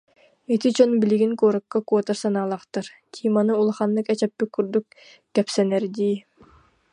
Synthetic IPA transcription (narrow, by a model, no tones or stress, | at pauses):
et̪ʰit͡ʃonbiliɡʲinkoːɾɯkːɑkoːt̪ɑɾsɑnɑːlˠɑqt̪ɯɾt̪ʲʰimɑnɯulˠχɑnlɯkɛt͡ʃɛpːikːuɾd̪uk | kʲːɛpsɛnɛɾd̪iː